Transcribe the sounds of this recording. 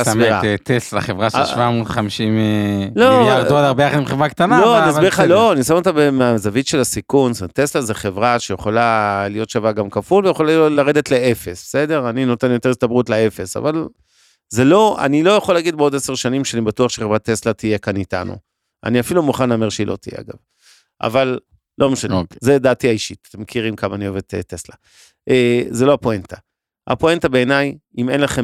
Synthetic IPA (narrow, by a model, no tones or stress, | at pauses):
sa̰t̪esla̰χevʁaʃʃvamut̪χamiʃimloaʁoadaʁbejaχad̪imχevʁakt̪analoasbiʁχalo̞anisamot̪abemeazavitʃe̞lasikunsteslazeχevʁaʃejeχolalijo̞t̪ʃavaɡamkafulvejeχolaolaʁe̞d̪etleefe̞sbe̥se̞de̞ʁanino̞te̞njo̞t̪e̞ʁistabʁutlee̞fe̞sa̰val | zelo̞a̰nilo̞jaχo̞laɡid̪beo̞deseʁʃanimʃeanibatuaχʃeχavat̪eslatije̞kanita̰nṵ | a̰niafilumuχanlaːmeʁʃeilʔo̞̰t̪ijea̰ɡa̰v | ʔa̰val | lʔo̞meʃanezed̪aːtiaiʃit̪ḁt̪emːekʰiʁimkamaːnio̞ved̚tet̪ːesla | ʔezelo̞apoentʰa | a̰poentabe̞ːnaj | imenlaχe